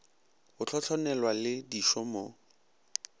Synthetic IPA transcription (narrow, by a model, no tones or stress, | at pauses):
hʊt͡ɬʰɔt͡ɬʰɔnɛlwalɪdiʃɔmo